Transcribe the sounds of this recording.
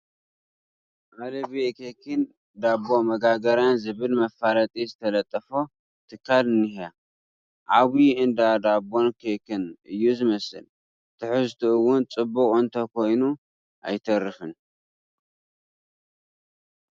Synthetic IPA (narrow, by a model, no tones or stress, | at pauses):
ʔalɐβikʰekʰɨn | d̪abo̞mɐɡaɡɐɾjanzɨβɨlmɐfaɾɐt̪ʼizɨt̪ʰɐlɐt̪ʼːɐfo | t̪ʰɨkʰːalɨnːɨha | ʔaβiɨnd̪ad̪abo̞nkʰekʰɨnɨjːuzɨmɐsɨ̰l | t̪ʰɨħɨzt̪ʰuɨwʊnt͡sʼɨbukʼɨnt̪ʰɐkʰo̞jnu | ʔa̰jt̪ʰɐrːɨfɨn